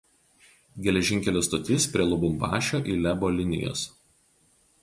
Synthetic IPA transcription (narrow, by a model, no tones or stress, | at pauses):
ɡʲɛlʲɛʒʲɪŋʲkʲɛlʲoːst̪ot̪ʲɪspʲɾʲiɛlˠɔbʊmbɑ̰ːʃʲoːʔiːlʲɛboːlʲɪnʲɪ̰jo̰ːs